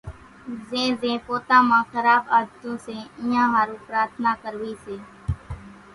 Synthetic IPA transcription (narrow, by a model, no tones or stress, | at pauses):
zẽːzẽːpoːt̪ãːmãːxəɾaːbaːd̪t̪õːsẽːɪ̃ːãːɦaːɾũːpɾaːɾt̪ʰnaːkəɾʋiːseː